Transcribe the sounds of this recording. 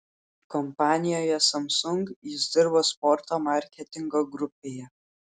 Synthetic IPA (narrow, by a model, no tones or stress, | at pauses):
kɔmpɑːnʲɪjoːjɛsɐmsʊŋkjɪzd̪ʲɪɾboːspɔɾt̪oːmɑˑɾʲkʲɛt̪ʲɪŋɡoɡɾʊpʲeːjɛ